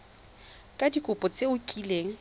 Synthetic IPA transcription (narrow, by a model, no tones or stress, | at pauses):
kʼadikʼʊpʼɔt͡sʼeʊkʼileːŋ̩